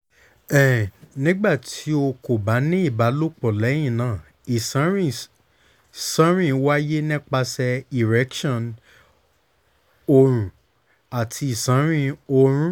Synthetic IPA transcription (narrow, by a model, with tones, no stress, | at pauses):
ɛ˨nĩ˨˦ɡ͡ba˦˨tʰi˨˦o˧ko˨ba˨˦nĩ˦i˦˨ba˨˦lo˦k͡pɔ˨lɛ˨˦j̃ĩ˦˨nãː˨ | i˨sɾĩ˦˨ | sã˨˦ɾ̃ĩ˦wa˦je˦nĩ˦k͡pa˧sɛ˧i˨ɾɛ˨˦kʃɔ̃˦˨n | o˧ɾ̃ũ˨ | a˨tʰi˧i˨sã˨˦ɾ̃ĩ˦˧o˧ɾ̃ũ˦